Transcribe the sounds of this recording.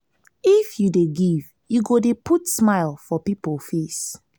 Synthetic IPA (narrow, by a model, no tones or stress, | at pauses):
ifjudeɡiv | juɡodepʰutsmaɪlfɔpipɔlfes